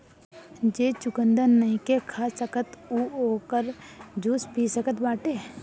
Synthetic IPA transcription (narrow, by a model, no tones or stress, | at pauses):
d͡ʒeːt͡ʃʊkə̃nd̪ənəĩkekʰaːsəkət̪uoːkəɾd͡ʒuːspiːsəkət̪baːʈeː